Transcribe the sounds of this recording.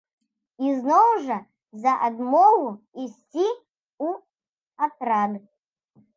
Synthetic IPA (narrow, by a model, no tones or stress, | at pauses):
iznɔwʐɐ | zɐʔad̪mɔɣu | isʲt͡sʲi | u | at̪ɾad̪